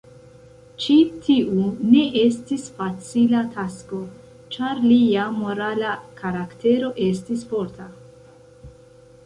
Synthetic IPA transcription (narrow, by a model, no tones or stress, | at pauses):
t͡ʃitʰiʔune̞ʔe̞stisfat͡silatʰasko̞ | t͡ʃaɾliamo̞ɾalakaɾakte̞ɾo̞ʔe̞stisfo̞ɾta